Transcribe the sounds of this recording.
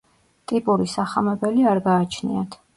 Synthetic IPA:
t̪ʼipʼuɾisaχamɛbɛliaɾɡaːt͡ʃʰnḭat̪ʰ

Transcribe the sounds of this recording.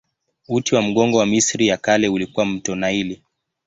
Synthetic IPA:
utiwam̩ɠɔŋɡɔwamisɾijakalɛulikuwam̩tɔnaili

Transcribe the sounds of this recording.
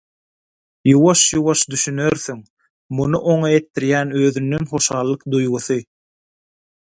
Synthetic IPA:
juwɑʃjuwɑʃd̪yʃynø̞ɾθyŋ | munuʔoŋɑe̞t̪ʰːiɾjæːnø̞ːðynd̪ønχo̞ʃɑːlˠːɯqd̪ujɣuθɯ

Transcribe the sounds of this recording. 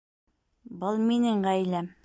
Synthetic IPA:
bɤlˠminɘŋɢæjlæm

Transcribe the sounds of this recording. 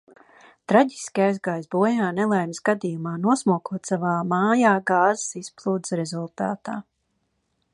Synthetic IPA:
t̪ɾaɟiskajsɡaːjsbuɔjaːnɛlˠajmsɡad̪ijumaːnuɔsmuɔkuɔt̪savaːmaːjaːɡaːzəsisplˠuːd̪sɾɛzulˠt̪a̰ːt̪aː

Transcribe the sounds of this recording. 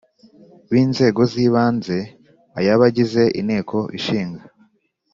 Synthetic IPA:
βiːnze̞ːɡo̞ziːβaːnze̞ | ajaβaɟize̞ʔine̞ːkʰo̞ʔiʃiːŋɡa

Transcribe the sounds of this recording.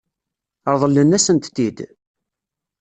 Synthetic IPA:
əɾˤðˤəlːənːæsənt̪ːid̪

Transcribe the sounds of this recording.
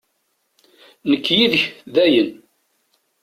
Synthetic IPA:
nəkːjiðəçðæjən

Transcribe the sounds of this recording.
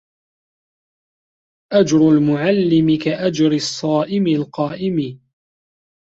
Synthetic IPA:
ʔad͡ʒɾʊlmʊʕalːɪmɪkaʔad͡ʒɾɪsˤːɑːʔɪmɪlqɑːʔɪmɪ

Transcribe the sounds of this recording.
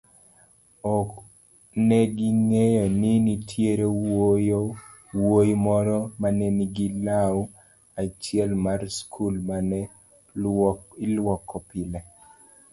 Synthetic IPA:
ɔk | nɛɡɪŋejɔnɪnitʰjeɾej | wojmɔɾɔmanɛnɪɡilaw | at͡ʃjɛlmarskʰulmanɛ | ɪlwɔkːɔpɪla

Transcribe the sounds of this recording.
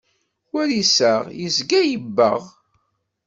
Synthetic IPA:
wæɾisəʁjəzɡæjəbːə̰ʁ

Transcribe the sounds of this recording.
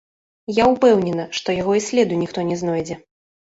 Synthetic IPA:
jaupɛwnʲɛnɐʂt̪ɔjaɣɔisʲlʲɛd̪ujnʲixt̪ɔnʲɛznɔjd͡zʲɛ

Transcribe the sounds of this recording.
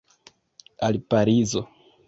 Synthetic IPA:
alpaɾizo̞

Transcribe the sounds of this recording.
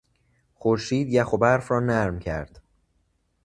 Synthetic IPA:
χoɾʃiːd̪jæxobæɾfɾɒːnæɾmcʰæɾd̪̥

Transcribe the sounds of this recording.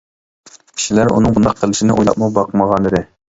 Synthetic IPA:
kʲʰi̥ʃilæɾṵnɨŋbund̪ɑqʰːəlˠɪʃinɪʔṵjlˠɑ̰p̚mubɑqʰməʁɑnəd̪ɨ

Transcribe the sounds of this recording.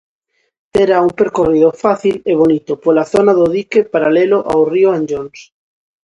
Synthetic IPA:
t̪eɾauŋpeɾkoriðofaθileβ̞onit̪opolaθonaðoðikepaɾaleloʔawrioẽnd͡ʒons

